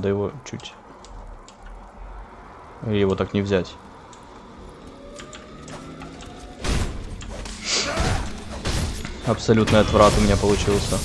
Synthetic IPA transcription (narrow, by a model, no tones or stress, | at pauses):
d̪əjɪvo̞t͡ɕʉ̰tʲ | jɪvo̞t̪aknʲɪvzʲætʲ | ɐpsɐlʲut̪nɨjɐt̪vɾat̪ʊmʲɪnʲapəlˠʊt͡ɕilˠsʲə